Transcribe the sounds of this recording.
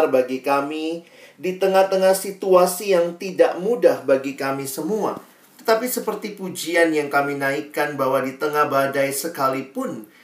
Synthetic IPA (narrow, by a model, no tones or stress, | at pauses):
rbaɡikami | dit̪əŋaht̪əŋahsit̪uasijaŋt̪idaʔmudahbaɡikamisəmua̰ | t̪ə̥t̪apisəpərt̪ipud͡ʒianjaŋkaminaikanbaɦwadit̪əŋahbadajsəkalipʊn